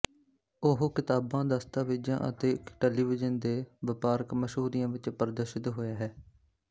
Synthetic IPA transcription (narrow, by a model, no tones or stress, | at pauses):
ʊɦkɪt̪aːbãːd̪əst̪aːʋiːd͡ʒã̰ːʔə̰t̪eːkʈɛːliːʋɪd͡ʒənd̪eːʋɪpaːɾkməʃɦuːɾiːãːʋɪt͡ʃpəɾəd̪əɾʃɪt̪ɦoːjaːɦɛː